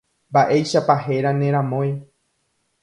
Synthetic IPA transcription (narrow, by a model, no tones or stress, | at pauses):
mbaʔe̞jʃapaɦe̞ɾanẽ̞ɾ̃ãmõj